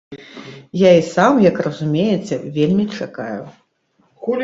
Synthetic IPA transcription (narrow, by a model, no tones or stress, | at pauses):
jaisamjɐkrɐzumʲejɛt͡sʲɐvʲelʲmʲit͡ʂakaju